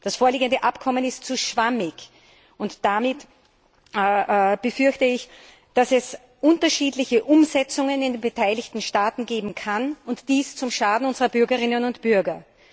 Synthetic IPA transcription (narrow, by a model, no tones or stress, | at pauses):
d̥asfoːɐliːɡəndəʔapkʰɔmənɪst̚t͡suʃv̥amɪç | ʊntd̥amɪt | b̥əfʏɐçtəɪç | d̥asɛs | ʔʊntɐʃiːdlɪçəʔʊmzɛt͡sʊŋənɪndenbətʰaɪlɪçtn̩ʃtaːtn̩ɡeːbm̩kʰanʊntd̥iːst͡sʊmʃaːdn̩ʊnzəʁɐbʏɐɡəʁɪnənʊntb̥ʏɐɡɐ